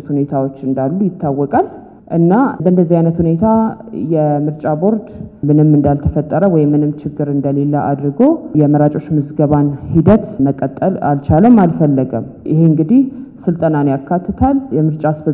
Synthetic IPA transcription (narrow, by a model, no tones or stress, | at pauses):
t̪hune̞t̪ʰawo̞t͡ʃːɨnd̪alːujɪt̪ːawːɔkʼal | ʔɨnːabəʔɨnd̪əzːihajnət̪hune̞t̪ʰajɛmɨɾt͡ʃʼabo̞ɾd̪mɨnɨmːɨnd̪alt̪ʰəfət̪ʼːəɾəwɔjmːɨnɨmt͡ʃʰɪɡːɨɾɨnd̪əle̞lːəʔa̰d̪ɾɨɡo̞jɛməɾat͡ʃʼo̞t͡ʃːmɨzɡəβanhid̪ət̪məkʼːət̪ʼːəla̰lt͡ʃaləmːalfəlːəɡə̰m | jɪ̰heɨŋɡɨd̪ihsɨlt̪ʼənanjakʰːat̪ʰːɨt̪ʰaljɛmɨɾt͡ʃʼasbə